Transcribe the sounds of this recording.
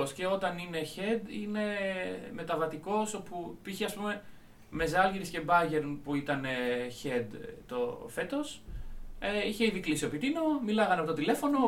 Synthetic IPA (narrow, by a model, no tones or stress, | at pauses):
osce̞o̞t̪ɐnine̞çe̞d̪ine̞me̞t̪ɐvɐt̪iko̞so̞pupiçeɐspume̞ | me̞zɐlʝiɾisce̞bɐʝe̞ɾnpuit̪ɐneçed̪t̪ofe̞t̪o̞s | eiçe̞iðiklisio̞pit̪ino̞milɐɣɐnɐpo̞t̪ot̪ilefo̞no̞